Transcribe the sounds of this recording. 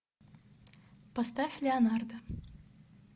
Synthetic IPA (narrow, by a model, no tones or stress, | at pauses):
pɐst̪afʲlʲɪɐnard̪ə